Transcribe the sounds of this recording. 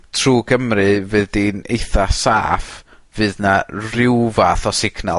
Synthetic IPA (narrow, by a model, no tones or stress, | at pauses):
tʰruːɡəmrɨvɨːðdinejθasa̰ːf | vɨːðnarɪwvaθɔsɪkʰna